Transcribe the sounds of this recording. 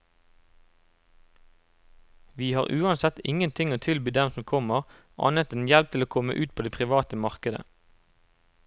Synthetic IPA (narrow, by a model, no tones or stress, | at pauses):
ʋiːhɑːʁʔʉːɑnsɛt̪ɪŋənt̪ʰɪŋoːt̪ʰɪlbyːd̪ɛmsɔmkʰɔməʁ | ʔɑ̰ːnət̪ɛːnjɛlp̚t̪ʰɪloːkʰɔmə̰ʔʉːt̪̚pʰoːd̪eːpʰʁɪʋɑːt̪əmɑʁkəd̪ə̰